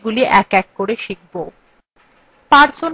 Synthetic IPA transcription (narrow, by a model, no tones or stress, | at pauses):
ɡuliʔɛkɛkːoɾeʃik̚bo | paɾd͡ʑon